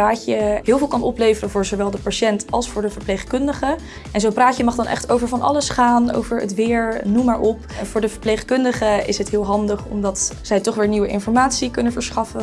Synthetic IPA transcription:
paːcəɦɪːlˠvɪːlˠkɑnɔplejvərəvʊːɹzowʋɛlˠdəpaʃɛntɑlˠsfʊːɹdəvəɹplejχkɵndəχə | ɛnzowpraːcjəmɑχdɑnʔɛ̰χtowvəɹvɑnʔɑ̰ləsχaːno̰wvəɹə̰tʋɪːɹnumaːɹʔɔp | vʊːɹdəvəɹpleχkɵndəχəɪ̰sɦətɦɪːlˠɦɑndəχɔ̰mdɑtz̥ɛjtɔχʋɪːɹniwəʔɪ̰nfɔɹmaːtsikɵnənvəɹsχɑfə

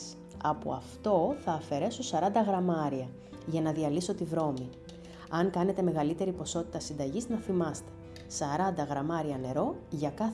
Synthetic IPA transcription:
s | ɐpo̰ɐ̰ft̪o̞θɐːfe̞ɾe̞susɐɾɐnd̪ɐɣɾɐmɐɾiɐ | ʝɐnɐðiɐliso̞t̪ivɾo̞mi | ɐŋkɐne̞t̪e̞me̞ɣɐlit̪e̞ɾipo̞so̞t̪it̪ɐsind̪ɐʝiznɐθimɐst̪e̞̥ | sɐɾɐnd̪ɐɣɾɐmɐɾiɐne̞ɾo̞ʝɐkɐ

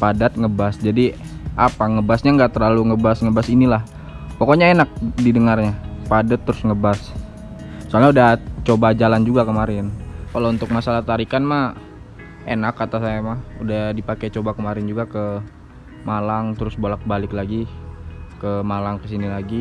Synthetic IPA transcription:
padat̪̚ŋəbasd͡ʒadiʔapaŋəbasɲaŋɡaʔt̪ərlaluŋəbasŋəbasinilah | pokoɲaenak̚didəŋarɲapadat̪ːɾʊsŋəbas | soalɲaudaht͡ʃobad͡ʒaland͡ʒuɡakəmaɾɛnkalount̪ʊk̚masalaht̪aɾikanma | enakːat̪asajamahudahdipaket͡ʃobakəmaɾɪnd͡ʒuɡakə | malaŋt̪əɾʊsbolak̚balɪklaɡi | kəmalaŋkəsinilaɡi

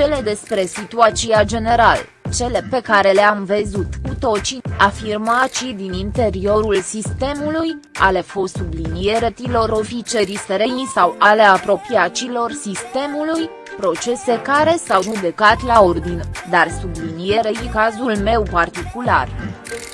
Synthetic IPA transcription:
t͡ʃe̞le̞d̪e̞spɾe̞sit̪uat̪siad͡ʒe̞ne̞ɾal | t͡ʃe̞le̞pe̞kaɾe̞leamvezut̪kut̪o̞t͡ʃiafirmat͡ʃid̪inint̪e̞ɾio̞ɾulsist̪e̞muluja̰le̞fot̪sublinije̞ɾet̪ilo̞ɾo̞fit͡ʃe̞ɾiseɾeisawʔaleapɾo̞piat͡ʃilo̞rsist̪e̞muluj | pɾo̞t͡ʃe̞se̞kaɾe̞sawrubekat̪lao̞rd̪ind̪arsublinije̞ɾeikazulme̞wpart̪ikula̰r

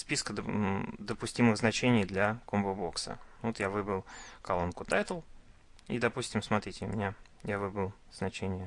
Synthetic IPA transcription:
spʲiskəd̪əpʊsʲtʲimɨɣznɐt͡ɕenʲɪjd̪lʲɐkombəbo̞ksə̰vot̪javɨbəlˠkɐlˠonkʊt̪ajt̪əlˠ | ḭd̪ɐpusʲtʲɪmsmɐt̪ɾʲitʲɪʊmʲɪnʲa | javɨbɾəlˠ | z̥nɐt͡ɕenʲɪjə

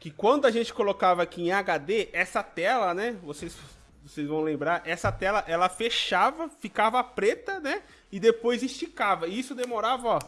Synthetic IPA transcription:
kɪkwɐ̃nd̪ʊaʒẽnt͡ʃɪ̥kolokavɐakiẽaɡad̪eʔɛsɐt̪ɛlɐnɛvosez | vosejzvɐ̃w̃lẽmbɾaɾʔɛsɐt̪ɛlɐʔɛlɐfeʃavɐfikavɐpɾet̪ɐnɛ | ɪd̪epojziʃt͡ʃikavɐɪisʊd̪emoɾavɐɔ

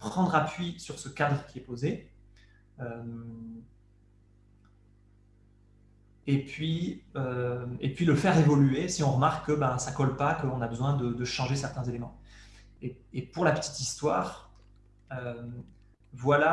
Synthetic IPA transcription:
pχɑ̃d̪ʁapɥisyʁsəkad̪ʁəkʲiɛpoze | øm | epɥiøḛpɥiləfɛʁevɔlyesiɔ̃ʁəmaʁkʰːəbasakɔlpakəɔ̃nabəzwɛ̃d̪əd̪əʃɑ̃ʒesɛʁt̪ɛ̃zelemɑ̃ | eepuʁlapə̥t̪i̥t̪ist̪waːʁ | ø | vwala

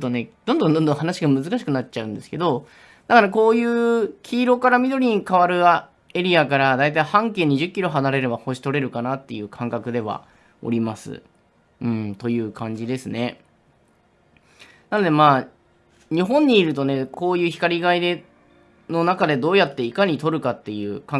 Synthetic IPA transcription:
t̪one̞d̪̥õ̞nd̪õnd̪ond̪õ̞ɦanaɕiɡamɯ̟zɨkaɕi̥kɯ̟natːt͡ɕaɯ̟̃nd̪esɨ̥ke̞d̪o̞ | nakaɾako̞ːjɯ̟ːkʲʰiːɾo̞kaɾamʲid̪o̞ɾʲiɲ̟ikaβaɾɯ̟a | e̞ɾʲiakaɾad̪ait̪aihãŋke̞ːɲ̟iʑɨkʲːiɾo̞ɦanaɾe̞ɾe̞baho̞ɕi̥t̪o̞ɾe̞ɾɯ̟kanat̪ːe̞jɯ̟ːkʰãŋkakɯ̟d̪e̞β̞a̰ | o̞̰ɾʲimasɨ̰ | ɯ̟̃ɴt̪o̞jɯ̟ːkʰãɲ̟d͡ʑid̪e̞sɨne̞ | nano̞d̪e̞maː | ɲ̟iɦõ̞ɲ̟ːiːɾɯ̟t̪o̞ne̞ko̞ːjɯ̟ːçi̥kaɾʲiɡaid̪e̞ | no̞nakad̪e̞d̪o̞ːjat̪ːe̞ikaɲ̟it̪o̞ɾɯ̟kat̪ːe̞jɯ̟ːka

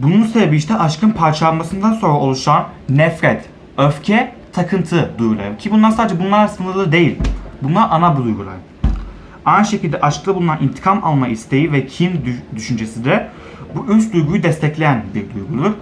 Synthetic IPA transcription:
bununsebebiiʃt̪ʰɛʔaʃkʰɯnpʰaɾt͡ʃʰalanmasɯnd̪anso̞nɾao̞lˠuʃanːɛfɾɛt̪ | øfcʰɛ | t̪ʰakʰɯnt̪ʰɯd̪ujɡulˠa̰jɯmcʰibunlˠaɾsaːd̪ed͡ʒɛbunlˠaɾsɯnɯlˠɯd̪e̞jilʲbunlˠaɾʔanabud̪ujɡulˠa̰jɯm | ajnɯʃe̞cild̪ɛʔaʃklˠɯbulˠunanʔint̪ʰi̥kʰama̰lˠmaʔist̪ʰe̞jivɛcʰind̪yʃynd͡ʒesid̪ɛ | buʔyst̪̚d̪ujɡujud̪ɛst̪ʰɛclʲejænbiɾd̪ujɡulˠuɾ

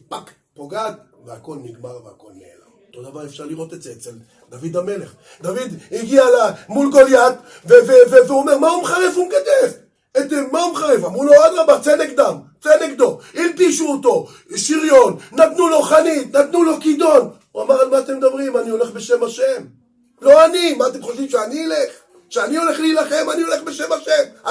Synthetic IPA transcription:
pak | poɡad̪veako̞lniɡmaʁveako̞̰lneḛla̰ot̪od̪avaʁefʃaʁliʁo̞t̪etzeett͡sel | d̪avid̪ame̞leχ | d̪avid̪iɡialamulɡoljat̪ | veveveveome̞ʁmaumeχaʁevumeɡad̪ev | etemaumeχaʁevamʁuload̪ʁabat͡senekd̪am | t͡senekd̪o̞ilpiʃuot̪o̞ | ʃiʁjonːat̪nulo̞χanit̪nat̪nulo̞kid̪o̞n | uamaʁalmaːt̪emd̪abʁimanio̞le̞χbeʃemaʃem | lo̞animaːt̪e̞mχoʃimʃeaniileχ | ʃeanio̞le̞χleilaχe̞manio̞le̞χbe̞ʃemaʃe̞m

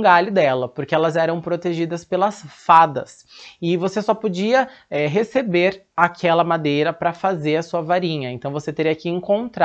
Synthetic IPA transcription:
ɡalʊd̪ɛlɐpoɾkeɛlɐzɛɾɐ̃w̃pɾot̪eʒid̪ɐspelɐsfad̪ɐs | ɪvosesɔpod͡ʒiɐɛɦesebeɾ | akʰɛlɐmad̪ejɾɐpɾɐfazeɾɐsuɐvaɾĩɲɐẽnt̪ɐ̃w̃voset̪eɾijɐkɪẽŋkõnt̪ɾa

